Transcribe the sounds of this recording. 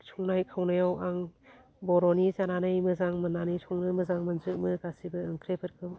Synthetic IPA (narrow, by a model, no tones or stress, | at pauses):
sʰɔŋnajkʰawnɯjawaŋ | bɔɾɔnizananɯjmɯzaŋmɯnanɯjsʰɔŋnɯmɯzaŋmɯnzɯk̚mɯɡasibɯɯŋkʰɾepʰɯɾkʰɯw